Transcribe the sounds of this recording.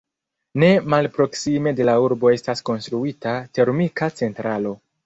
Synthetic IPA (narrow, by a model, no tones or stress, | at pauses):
ne̞malpɾo̞ksime̞de̞lauɾbo̞e̞stasko̞nstɾuitate̞ɾmikat͡se̞ntɾalo̞